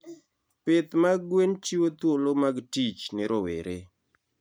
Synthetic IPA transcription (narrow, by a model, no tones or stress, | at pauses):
pɪt̪maɡwent͡ʃiwot̪wolomaɡtit͡ʃnɪɾowḛɾe